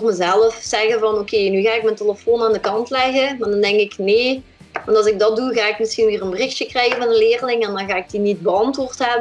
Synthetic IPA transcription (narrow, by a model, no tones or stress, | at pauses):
rməzɛləfsɛɣənvɑnokʰeːnyɣaːɪk̚mənteləfoːnaːndəkɑntlɛɣəmaːdɑndɛŋkɪkneː | ʋɑntɑlzɪɡ̚dɑt̚duɣaːɪkmɪsxinʋiːrənbərɪxtjəkrɛjɣənvɑnənleːrlɪŋɛndɑnɣaːɪɡ̚dinit̚bəɑntʋoːrtɦɛbə